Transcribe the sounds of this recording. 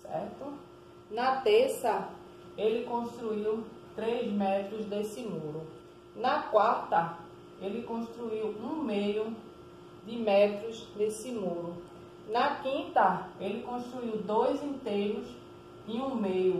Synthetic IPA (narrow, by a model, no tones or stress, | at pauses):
sɛ̰ɾt̪ʊ | nɐt̪eɾsɐ | elɪkõʃt̪ɾuiw | t̪ɾejzmɛt̪ɾʊzd̪esɪmoɾʊ | nɐkwaɾt̪ɐ | elɪkõʃt̪ɾuiwũmejʊ | d̪ɪmɛt̪ɾʊzd̪esɪmoɾʊ | nɐkĩnt̪ɐelɪkõʃt̪ɾuiwd̪ojzĩnt̪ejɾʊz | ĩũmejʊ